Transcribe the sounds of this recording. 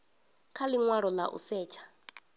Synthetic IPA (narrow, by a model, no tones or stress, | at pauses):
kʰaliŋwaɺɔlaʔṵsɛːt͡ʃʰḁ